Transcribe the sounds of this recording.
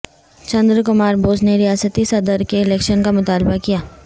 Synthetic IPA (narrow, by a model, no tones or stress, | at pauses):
t͡ʃɐ̃nd̪ɾəkʊmaːɾboːsneɾijaːsət̪isɐd̪əɾkeɪlɛːkʃənkamʊt̪aːlbakijaː